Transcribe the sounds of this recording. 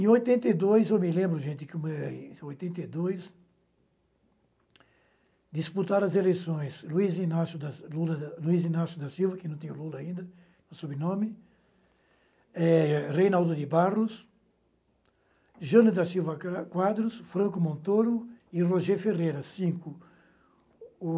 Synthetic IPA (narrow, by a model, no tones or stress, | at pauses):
ẽojt̪ẽnt̪ɐjd̪ojzewmɪlẽmbɾʊʒẽnt̪ɪkɪumeojt̪ẽnt̪ejd̪ojs | d̪isput̪aɾɐzelejsõj̃sluizinasjʊd̪ɐlulɐluizinasjʊd̪ɐsiwvɐkɪnɐ̃w̃t̪ẽɲ̃ʊlulɐːĩnd̪ɐ | nõsobɪnõmɪ | ɛrejnawd̪ʊd̪ɪbarʊs | ʒɐ̃nʊd̪ɐsiwvɐkwad̪ɾʊsfɾɐ̃ŋkʊmõnt̪oɾʊɪroʒeferejɾɐsĩŋkʊ